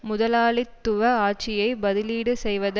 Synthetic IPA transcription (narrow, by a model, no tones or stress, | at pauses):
mʊðɐlaːɭɪt̪ːʊʋɐaːʈ̚t͡ʃɪjɐɪbɐðɪliːɽɯsɛjʋɐð